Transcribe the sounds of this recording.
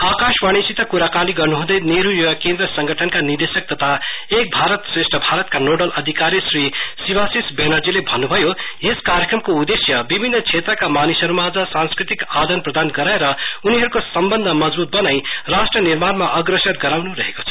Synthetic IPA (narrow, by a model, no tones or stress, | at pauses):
akaswaɽ̃isit̪ʌkuɾakaliɡʌrnuɦũd̪ʌjneɾujoʌkẽnd̪ɾʌsʌŋɡʌʈʰʌnkanird̪esʌk̚t̪ʌt̪ʰaek̚bʱaɾʌt̪sresʈʰʌbʱaɾʌt̪̚kanoɖʌlʔʌd̪ʱikaɾjʌsrisibasisbenʌrd͡zilebʱʌnːubʱʌjoeskaɾjʌkrʌmkoud̪esjʌbibʱinːʌt͡sʰet̪rʌkamanisʌɾmad͡zʌsãnskɾit̪ikad̪ʌnprʌd̪anɡʌɾaeɾʌuniɦʌɾukosʌmbʌnd̪ʱʌmʌd͡zbut̪̚bʌnajrasʈrʌniɾmanmaʔʌɡrʌsʌt̪ɡʌɾawnuɾʌɦeko̥t͡sʰʌ̥